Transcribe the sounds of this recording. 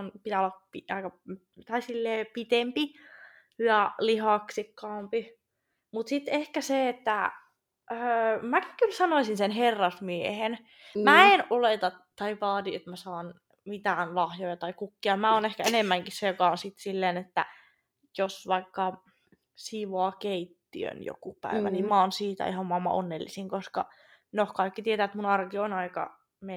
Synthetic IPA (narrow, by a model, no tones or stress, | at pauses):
onpit̪æolːɑpiɑikɑ | t̪ɑisilːeːpit̪empi | jɑlihɑksikːɑːmpi | mut̪sit̪ehkæseet̪ːæ | mæki̥kylsɑnoisinsenherːɑsmiehen | mæenolet̪ɑt̪ɑiʋɑːt̪iet̪mæsɑːn | mit̪æːnlɑhjojɑt̪ɑikukːiɑmæoːnehkæenemːæŋkissejokɑonsit̪silːeːnet̪ːæ̰ | josʋɑikːɑ | siːʋoɑkeit̪ːiø̰njo̰kupæ̰iʋæ̰nimmɑɑːnsiːt̪æ̰ihɑmmɑmːɑ̰ʔo̰nːelːḭsiŋkoskɑ | nohkɑikːit̪iet̪æːet̪munɑrkionɑikɑ̰ | me